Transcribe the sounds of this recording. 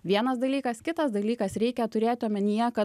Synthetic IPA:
ʋʲiɛnɐsd̪ɐlʲiːkɐskʲɪt̪ɐsd̪ɐlʲiːkɐsɾʲɛɪkʲɛt̪ʊɾʲeːt̪ʲɪoːmʲɛnʲɪjɛkɐ

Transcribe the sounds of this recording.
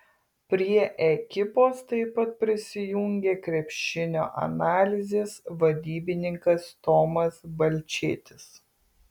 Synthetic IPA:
pʲɾʲiɛʔɛkʲɪpoːst̪ɐɪpɐt̪̚pʲɾʲɪsʲɪjʊŋʲɡʲeːkɾʲɛpʲʃʲɪnʲo̰ːʔɐ̰nɑːlʲɪzʲeːsʋɐd̪ʲiːbʲɪnʲɪŋkɐst̪oːmɐsbɐlʲt͡ʃʲeːt̪ʲɪs

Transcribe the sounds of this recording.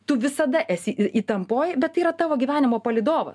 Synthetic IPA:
t̪ʊʋʲɪsɐd̪ɐʔæːsʲɪiːt̪ɐmpoːjbʲɛt̪t̪ːɐiːɾɐt̪ɑːʋoːɡʲiːʋʲæːnʲɪmoːpɐlʲɪd̪oːʋɐ̰s

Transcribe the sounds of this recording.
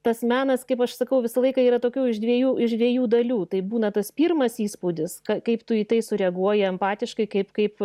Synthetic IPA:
t̪ɐsmʲæːnɐskɐɪpɐʃsɐkɐʊʋʲɪsɐlˠɐɪkɐiːɾɐt̪oːkʲɛʊɪʃd̪ʲʋʲiɛjuːʔɪʃd̪ʲʋʲiɛjuːd̪ɐlʲuːt̪ɐɪbuːnɐt̪ɐspʲiːrmɐsiːspuːd̪ʲɪskɐkɐɪpt̪ʊiːt̪ɐɪsʊɾʲɛɐɡuɔjɪɛmpɑːt̪ʲɪʃkɐɪkɐɪpkɐɪp

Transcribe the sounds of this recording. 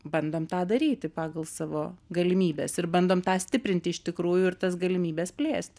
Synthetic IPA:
bɐnd̪oːmt̪ɑːd̪ɐɾʲiːt̪ʲɪpɑːɡɐlˠsɑːʋoːɡɐlʲɪmʲiːbʲeːsɪrbɐnd̪oːmt̪ɑːsʲt̪ʲɪpʲɾʲɪnʲt̪ʲɪɪʃt̪ʲɪkɾuːjʊɪrt̪ɐsɡɐlʲɪmʲiːbʲɛːspʲlʲeːsʲt̪ʲ

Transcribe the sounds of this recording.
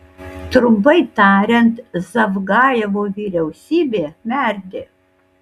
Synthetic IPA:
t̪ɾʊmbɐɪt̪ɑːɾʲɛnt̪zɐʋɡɑːjɛʋoːʋʲiːɾʲɛʊsʲiːbʲeːmʲæˑɾʲd̪ʲɪ

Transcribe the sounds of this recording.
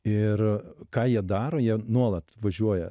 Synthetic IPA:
ɪrkɑːjiɛd̪ɑːɾoːjiɛnuɔlˠɐt̪ʋɐʒʲuɔjɛ

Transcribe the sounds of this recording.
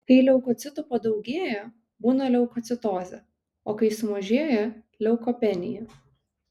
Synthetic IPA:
kɐɪlʲɛʊkɔːt̪sʲɪt̪ʊpɐd̪ɐʊɡʲeːjɛ | buːnɐlʲɛʊkɔt̪sʲɪt̪oːzʲɛ̰ | oːkɐɪsʊmɐʒʲeːjɛ | lʲɛʊkɔpʲɛnʲɪ̰jɛ

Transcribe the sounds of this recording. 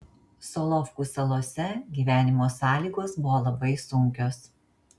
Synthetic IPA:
sɔːlˠɔfkuːˑsɐlˠoːsʲɛɡʲiːʋʲæːnʲɪmoːsɑːlʲiːɡoːsbʊʋoːlˠɐbɐɪsʊŋʲkʲoːs

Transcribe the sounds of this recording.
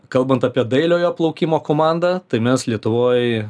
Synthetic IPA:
kɐlˠbɐnt̪ɐːpʲiɛd̪ɐɪlʲoːjoːplˠɐʊkʲiːmoːkoːmɑnd̪ɑt̪ɐɪmʲɛslʲiɛt̪ʊʋoːj

